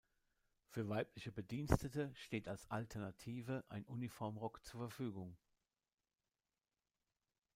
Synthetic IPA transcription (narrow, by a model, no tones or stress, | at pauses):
fyːɐvaɪplɪçəbədiːnstətəʃteːtalsʔaltʰɛɐnatʰiːvəʔaɪnʔunifɔɐmʁɔkt͡suːɐfɛɐfyːɡʊŋ